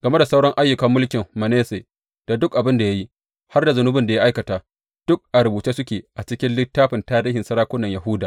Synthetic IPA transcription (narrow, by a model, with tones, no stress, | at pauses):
ɡ̥ɐ˨me˦da˨sa˦wɽɐ˦ŋʔa˦jːʊ˨kɐ˦mːʊ˦lkʲɪ˨mːɐ˨neː˦seː˨ | d̥a˨dʊ˦kʔa˨bɪ˦nda˨ja˦ji˦ | ha˦rda˨zʊ˨nʊ˦bɪ˦nda˨ja˦ʔa˦jkɐ˨taː˨ | d̥ʊ˦k̚ʔa˨ɾʊ˨buː˨t͡ʃeː˦sʊ˦kʲeː˨ʔa˨t͡ʃɪ˦kʲɪ˦nlɪ˦tːaː˦ɸɪ˨ntaː˦ɾiː˦hɪ˨nsɐ˦ɾaː˦kʷʊ˦nːɐ˨jɐ˨ɦʊ˦daː˨